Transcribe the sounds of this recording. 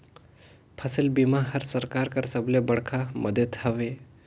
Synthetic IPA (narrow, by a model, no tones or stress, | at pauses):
pʰəsəlbimaɦɐɾsəɾkaːɾkaɾsəblebɐɽkʰamɐd̪ət̪hɐʋe